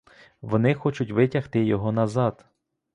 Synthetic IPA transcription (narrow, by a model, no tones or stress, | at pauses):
ʋɔnɪxɔt͡ʃʊtʲʋɪtʲɐht̪ɪjɔɦɔnɐzɑd̪